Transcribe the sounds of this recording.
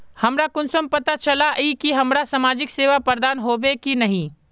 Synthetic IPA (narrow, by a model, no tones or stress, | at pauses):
hɐmɾakʊnsəmpɐt̪at͡ʃɐlaʔikiɦɐmɾasamaːd͡ʒɪkseːʋapəɾd̪aːnɦoːbekinɐɦĩː